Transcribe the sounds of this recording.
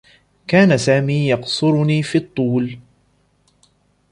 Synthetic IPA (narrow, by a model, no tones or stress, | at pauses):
kaːnasaːmiːjɑqsʊɾʊniːfiːt̪ˤːuːl